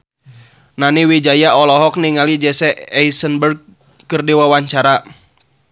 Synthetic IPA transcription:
naniwid͡ʒajaɔlɔɦɔk̚niŋalid͡ʒɛsɛʔɛjsənbərɡ̚ | kɨrdiwawaɲt͡ʃaɾa

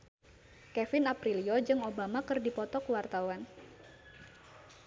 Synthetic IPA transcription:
kɛfɪnapɾiliod͡ʒɨŋobamakɨrdipɔt̪ɔkəwart̪awan

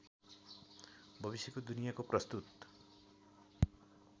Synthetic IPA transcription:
bʱʌbisjekud̪unijakopɾʌst̪ut̪

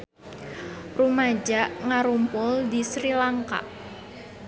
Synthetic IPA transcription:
rumad͡ʒaʔŋaɾumpʊld̪isɾilaŋka̰ʔ

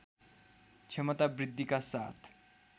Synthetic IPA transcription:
t͡ʃʰemʌt̪abɾid̪ʱːikasa̰t̪ʰ

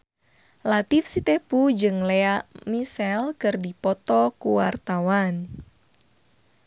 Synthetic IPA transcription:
lat̪ifsit̪ɛpud͡ʒɨŋlɛamisɛlkɨrdipɔt̪ɔkuwart̪awan

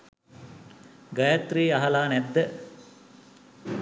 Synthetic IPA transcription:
ɡɐjat̪riːaɦalaːnɛd̪ːə

